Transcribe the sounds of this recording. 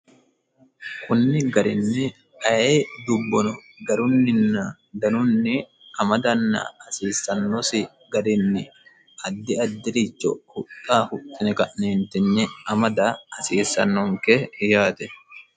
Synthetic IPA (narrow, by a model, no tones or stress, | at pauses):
kʊnːɪɡɐɾɪnːɛ | ʔɐjeːd̪ʊbːɔnɔ | ɡɐɾʊnːɪnːɐ | d̪ɐnʊnːɪ | ɐmɐd̪ɐnːɐ̰ɐsiːsːɐnːɔsɪ | ɡɐɾɪnːɪ | ʔɐd̪ːɪɐd̪ːɪɾɪt͡ʃːɔ̰hʊt̪ʼːaːhʊt̪ʼːɪnɛkɐʔneːnt̪ɪnːɪɐmɐd̪aːɐsiːsːɐ̰nːɔŋkɛjaːt̪ɛ